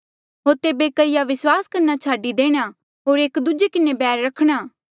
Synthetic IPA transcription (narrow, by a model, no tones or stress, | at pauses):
ɦoːɾt̪eːbekɐɪjaʋɪswaːskɐɾnat͡ʃʰaːɖid̪eːɽ̃a | ɦoːɾeːkd̪ʊd͡ʒekɪnebɛːɾːɐkʰɽ̃aː